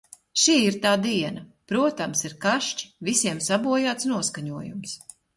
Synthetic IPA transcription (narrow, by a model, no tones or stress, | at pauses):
ʃiːiɾt̪aːd̪iɛnɐpɾuɔt̪amsiɾkaʃt͡ʃi̥visiɛmsabuɔjaːt̪snuɔskaɲuɔjṵms